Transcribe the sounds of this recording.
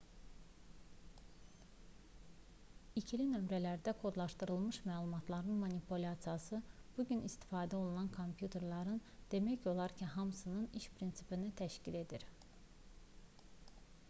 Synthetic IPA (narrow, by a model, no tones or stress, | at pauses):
icʰilinø̞mɾælæɾd̪ækʰo̞d̪lˠɑʃt̪ɯɾɯlˠmɯʃmæːlˠumɑt̪ʰlˠɑɾɯnmonipʰulʲasijɑsɯb̥uɟynist̪i̥fɑːd̪æo̞lˠunɑnkʰo̞mpʰjut̪ʰe̞ɾlˠɑɾɯnd̪̥e̞mæço̞lˠɑɾcʰiɦɑmɯsɯnɯniʃpʰɾinsipinit̪ʰæʃcile̞d̪iɾ